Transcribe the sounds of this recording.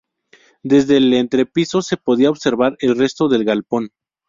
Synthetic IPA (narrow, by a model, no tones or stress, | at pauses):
d̪e̞zðe̞lent̪ɾe̞piso̞se̞po̞ðiaoβse̞ɾβaɾe̞lre̞st̪o̞ðe̞lɣalpo̞n